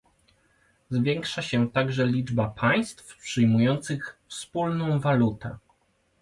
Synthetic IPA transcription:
zvʲjɛŋkʂaɕɛt̪aɡʐɛlʲid͡ʐbapʰaj̃st̪fpʂɘjmujɔnt̪sɘxfspulnɔ̃w̃valut̪ɛ̰

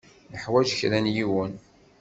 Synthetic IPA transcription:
nəħwæʒçɾænjiwən

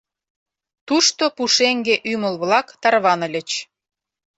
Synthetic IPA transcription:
t̪uʃt̪opuʃeŋɡeʔymə̆lβlɑkt̪ɑrβɑnə̆lʲə̆t͡ɕ

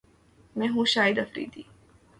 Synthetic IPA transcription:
mɛ̃ːɦũʃaːjɪd̪ɐfɾḭːd̪iː

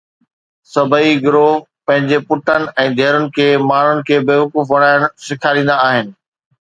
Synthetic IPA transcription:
sɐbʱəiɡʊɾoː | pɐ̃ɦɪ̃ɲd͡ʑepʊʈənɪ̆ɛ̃ːd̪ʱɛɦɾʊnɪ̆kʰeːmaːn̤ʊnɪ̆kʰeːbeːʋɐkuːfʋɐɽ̤aːɪɽ̃sɪkʰaːɾĩːn̆d̪aaːɦɪnɪ̆

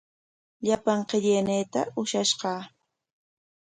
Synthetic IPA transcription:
ʎapaɴqɪʎenejt̪aʊʃaʃɢɑː

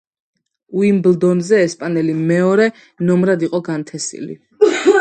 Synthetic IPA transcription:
uimbld̪ɔnzɛːspʼanɛlimɛɔɾɛ | nɔmɾad̪iqʼɔɡant̪ʰɛsḭlḭ

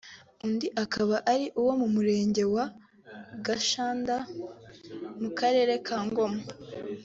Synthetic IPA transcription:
undiʔakaβaʔaɾiʔuwo̞mumuɾe̞ːɲɟe̞wa | ɡaʃaːnda | mukʰaɾe̞ːɾe̞kʰaːŋɡo̞ma

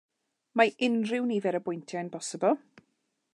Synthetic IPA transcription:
maʔɪnrɪwnivɛɾəbʊjntʰjajnbʰɔsəbɔlˠ

